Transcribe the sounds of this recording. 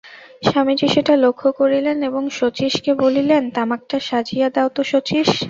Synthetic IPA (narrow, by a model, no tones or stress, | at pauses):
ʃamid͡ʑiʃeʈalokʰːokoɾileneboŋʃot͡ɕiʃkebolilent̪amak̚ʈaʃad͡ʑijad̪aot̪oʃot͡ɕiʃ